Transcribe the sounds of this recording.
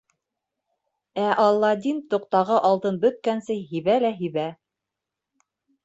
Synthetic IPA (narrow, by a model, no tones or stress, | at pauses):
æʔɑlˠːɑd̪int̪ŏq̚t̪ɑʁɤʔɑlˠt̪ɤnbɵ̆t̪̚kænsɘjɦiβælæɦiβæ